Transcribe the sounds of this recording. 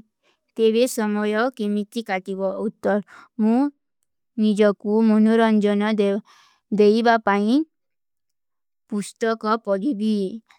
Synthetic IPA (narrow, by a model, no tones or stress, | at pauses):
t̪eβesɔmɔjɔkimit̪ikaʈibɔut̪ːɔɾmũ | nid͡ʒɔkumonuɾɔnd͡ʒɔnɔ | d̪ejbapaĩ | pust̪ɔkɔpɔɾibi